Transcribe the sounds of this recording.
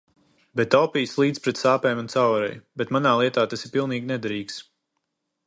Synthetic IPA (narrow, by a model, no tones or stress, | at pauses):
bɛt̪ːawpiːslˠiːt̪spɾɛt̪saːpɛjmunt̪sawɾɛ̰jbɛt̪manaːlˠiɛt̪aːt̪asipilˠniːɡnʲɛd̪aɾiːks